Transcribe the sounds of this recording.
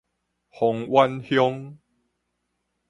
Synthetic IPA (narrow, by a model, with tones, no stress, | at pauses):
hɔ˨ŋwa˦nhjɔ˦ŋ